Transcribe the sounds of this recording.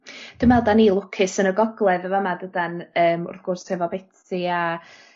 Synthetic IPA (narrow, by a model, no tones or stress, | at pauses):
d̥əmɛlˠdanilˠʊkʰɪsənəɡɔɡlˠɛðəvɔmadədanəːmɔ̰ɾɡ̥ʊrshɛvɔbɛtʰɪa